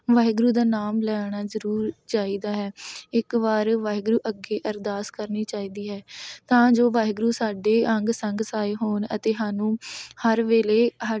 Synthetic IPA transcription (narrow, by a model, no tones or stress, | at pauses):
ʋaːɦɪɡɾuːd̪aːnaːmlɛːɽ̃aːzəɾuːɾt͡ʃaːiːd̪aːɦɛːɪkʋaːɾʋaːɦɡɾuːʔəɡeːʔəɾd̪aːskəɾniːt͡ʃaːiːd̪iːɦɛːt̪ãːd͡ʒoːʋaːɦɪɡɾuːsaːɖeːəŋɡsəŋɡsaːeːɦoːnə̰t̪eːɦaːnũːhəɾʋeːleːɦaː